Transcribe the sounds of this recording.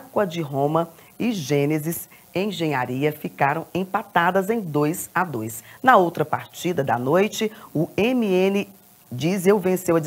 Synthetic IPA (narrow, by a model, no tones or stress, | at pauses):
kwɐd͡ʒɪɦõmɐ | ɪʒẽnezɪs | ẽj̃ʒẽɲaɾiɐfikaɾɐ̃w̃ẽpat̪ad̪ɐzẽj̃d̪ojsad̪ojsnɐowt̪ɾɐpaɾt͡ʃid̪ɐd̪ɐ̰nojt͡ʃɪʊemiẽnɪ | d͡ʒizewvẽsewɐd͡ʒ